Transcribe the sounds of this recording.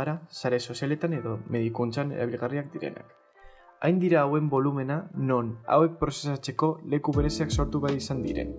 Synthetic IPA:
ɾasaɾe̞so̞siale̞t̪ane̞ðo̞me̞ðikunt͡sanḛɾaβ̞ilɣariak̚d̪iɾe̞̰na̰k | ajnd̪iɾaːwe̞mbo̞lume̞nano̞na̰we̞k̚pɾo̞se̞sat͡se̞ko̞le̞kuβe̞ɾe̞siakso̞ɾt̪uβajisand̪iɾe̞̰n

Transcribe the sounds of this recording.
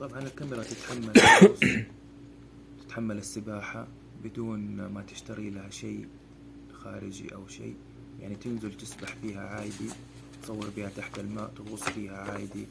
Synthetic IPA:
t̪ˤɑbʕɑnɪlkamɪɾˤɑt̪ɪt̪ħamːal | t̪ɪ̥t̪ħamːalɪsːɪbaːħa | bɪd̪uːnmat̪ɪ̥ʃt̪aɾilahaʃaː | xaːɾɪd͡ʒḭʔawʃḭː | jaʕnit̪ɪnzɪlt̪ɪsbaħfiːɦaʕaːjd̪i | t̪sˤɑwːɪɾbɪhat̪aħt̪ɪlmaːʔt̪ɪɣʊsˤːfiːhaʕaːjd̪i

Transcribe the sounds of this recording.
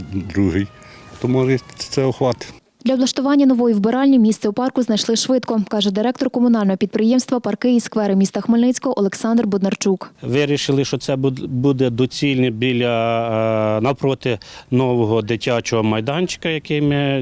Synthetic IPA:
d̪ɾuɦɪjt̪ɔmɔʒɛt̪sɛɔxʋɑt̪ɪ̥ | d̪̥lʲɐblˠɐʃt̪ʊʋɑnʲːɐnɔʋɔjiwbeɾɑlʲnʲimʲist̪sɛupɑrkʊznɐjʃlˠɪʃʋɪt̪kɔkɑʒɛd̪ɪɾɛkt̪ɔrkɔmʊnɑlʲnɔɦɔpʲid̪pɾɪjɛmst̪ʋɐpɐrkɪiskʋɛɾɪmʲist̪ɐxmɪlʲnɪt͡sʲkɔɦɔʔɔlˠeksɑnd̪rbʊd̪nɐrt͡ʃukʋɪɾʲiʃɪlˠɪʃɔt̪sɛbud̪ɛd̪ɔt͡sʲilʲnɛbʲilʲɐ | nɐpɾɔt̪ɪnɔʋɔɦɔd̪ɪtʲːɑt͡ʃɔɦɔmɐjd̪ɑnʲt͡ʃɪ̥kɐjɐkɪjmɪ

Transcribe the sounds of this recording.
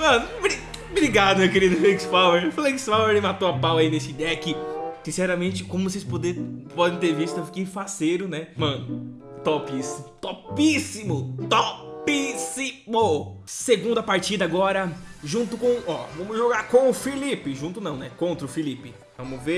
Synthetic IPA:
mɐ̃nʊbɾi | bɾiɡad̪ʊmewkeɾid̪ʊfeksfaweɾfleksfaweɾɪmat̪oapawainesɪid̪ɛjɐkɪsĩsɛɾɐmẽt͡ʃɪkõmʊvosespod̪ɛpɔd̪ẽj̃t̪̬eɾvist̪ʊewfi̥keĩfaseɾʊnɛmɐ̃nʊ | t̪opisimʊt̪opisimʊt̪opisimoseɡũnd̪ʊɐpaɾt͡ʃid̪ɐaɡɔɾɐʒũnt̪ʊkõɔvɐ̃mʊzʒoɡaɾkõʊfilipɪʒũt̪ʊnɐ̃w̃nɛkõnt̪ɾɐʊfilipɪ | vɐ̃mʊve

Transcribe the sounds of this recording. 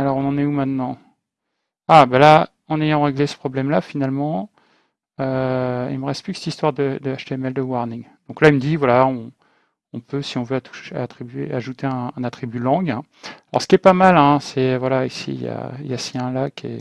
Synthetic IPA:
alɔʁɔ̃nɑ̃nɛumɛ̃t̪nɑ̃ | abala | ɑ̃nejɑ̃ʁeɡlesə̥pχɔblɛmlafinalmɑ̃ | øḭlməʁɛst̪̚plyksɛt̪ist̪waʁd̪əd̪əaʃt̪eɛmɛld̪əwaʁniŋd̪̥ɔ̃klailməd̪ivwalaɔ̃ː | pøsiɔ̃vøat̪u̥ʃa̰t̪χibɥeaʒut̪eɛ̃ɛ̃nat̪χibylɑ̃ɡɛ̃ | alɔ̰ʁsə̥kʲiɛpamalɛ̃sɛvwalaisḭja̰iljasiɛ̃lakʰḛ

